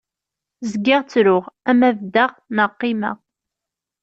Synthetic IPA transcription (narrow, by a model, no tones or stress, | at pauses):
zəɡːɪʁt͡sːɾʊʁæmævd̪aʁnəqːimæ̰ʁ